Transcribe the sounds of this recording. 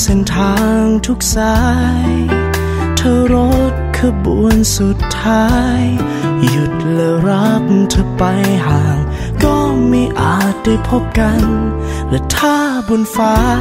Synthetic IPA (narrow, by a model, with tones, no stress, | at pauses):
se˧nt̪ʰaː˧ŋt̪ʰu˧˥k̚saː˧˥j | t̪ʰɤ˧ɾo˦˥t̪̚kʰɯː˧bu˨˧˨ənsu˧˦t̪ʰːaː˧˥j | ju˧t̪̚lɛː˨˧wɾa˧˦˥p̚t̪ʰɤ˧pa˧jɦaː˨˩ŋ | kɔː˧˩miː˧ʔaː˨˩t̪̚da˧˩jpʰo˥p̚ka˧n | lɯː˧˩t̪ʰaː˧bu˧nfaː˧˥